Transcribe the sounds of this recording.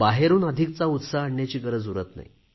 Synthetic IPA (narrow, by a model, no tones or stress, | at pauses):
baɦeɾuːnəd̪ʱik̚t͡saut̪saəɳːjat͡ɕiːkəɾəd͡zuɾət̪na̰i